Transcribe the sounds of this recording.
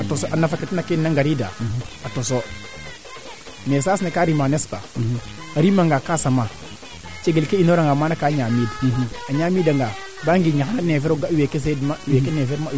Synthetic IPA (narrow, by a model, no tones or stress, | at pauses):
atosoanafaketinakenaŋɡaɾida̰atoso | mesasnekaɾimanespa̰ | aɾimaŋɡakasama | t͡ʃeɡelkeinoɾaŋɡamanakaːɲamidaɲamidaŋɡa | baŋɡiɲaxananefeɾoɡawekes̬edmawekenefeɾma